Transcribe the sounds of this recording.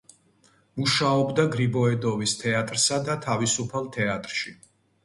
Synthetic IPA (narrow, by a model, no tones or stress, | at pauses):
muʃaɔbd̪aɡɾibɔɛd̪ɔvist̪ʰɛat̪ʼɾsad̪at̪ʰavisupʰalˠt̪ʰɛat̪ʼɾʃi